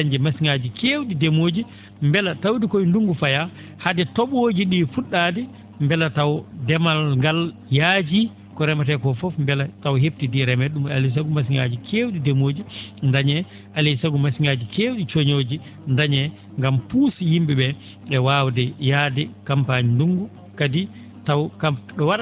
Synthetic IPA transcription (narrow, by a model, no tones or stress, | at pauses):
aɲd͡ʒɛmasiŋad͡ʒikeːwɗidemod͡ʒi | mbɛlatawdikojnduŋɡufaja | hadɛtɔɓoːd͡ʒiɗifuɗːadɛ | mbɛlatawdɛmalŋɡaljaːd͡ʒi | kɔɾɛmat̬ɛkɔfɔfmbɛlatawɦeftidiɾɛmɛɗumalis̬aɡumas̬iŋɡad͡ʒikʰeːwɗidemoːd͡ʒindaɲɛ | ʔalisaɡumasiŋad͡ʒikeːwɗit͡ʃoɲoːd͡ʒi | ndaɲɛ | ŋɡampuːsjimbiɓɛ | ɛwawdɛjaːdɛkampaɲinduŋɡu | kadi | tawkaɗɔwaɗ